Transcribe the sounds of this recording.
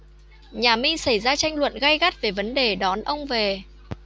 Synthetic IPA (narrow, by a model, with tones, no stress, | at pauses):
ɲaː˨˩mi˧sa˧˩jzaː˧t͡ɕa˧jŋ̟lwə̰˧˨nɣa˧jɣa˦˥t̚ve˨˩və˨˦nɗe˨˩ɗɔ˨˦nʔə˧wŋ͡mve˨˩